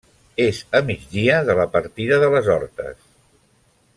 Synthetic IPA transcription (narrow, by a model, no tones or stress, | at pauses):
ezəmid͡ʒðiəðələpəɾt̪iðəðələzɔɾt̪ə̰s